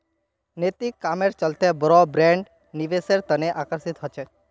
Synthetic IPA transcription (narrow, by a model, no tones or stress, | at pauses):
net̪ikːameɾt͡ʃəlt̪ebəɾɔbɾɛ̃ɳɖ | niʋeseɾt̪əneʔakəɾsit̪ɦət͡ʃʰe